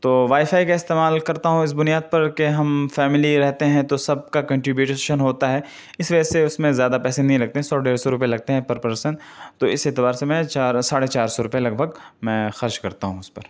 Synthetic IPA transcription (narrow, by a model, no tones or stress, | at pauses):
t̪oːʋaːifaːikaɪst̪eːmaːlkɐɾt̪aɦũɪs̬bʊnijaːd̪̚pɐɾkeɦɐmfɛːmɪliɾɛɦt̪eɦɛ̃t̪osɐb̚kakɐ̃ɳʈɾɪbjuːʈʃənɦoːt̪aɦɛː | ɪsʋɐd͡ʒɛseʊsmẽzjaːd̪apɛːsenɐɦĩlɐɡ̚t̪eɦɛ̃sɔːɖeːɾsɔɾʊpjelɐɡ̚t̪eɦɛ̃pɐɾpəɾeʃən | t̪oːɪseːt̪ɪbaːɾsemɛ̃t͡ʃaːɾsaːɽet͡ʃaːɾsɔɾʊpjelɐɡ̚bʱɐɡmɛ̃ːxɐɾʃkɐɾt̪aɦũɪspɐɾ